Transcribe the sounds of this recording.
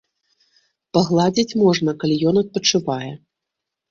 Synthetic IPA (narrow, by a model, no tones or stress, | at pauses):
pɐɣlˠad͡zʲit͡sʲmɔʐnɐkalʲijɔnɐt̪̚pɐt͡ʂɨvajɛ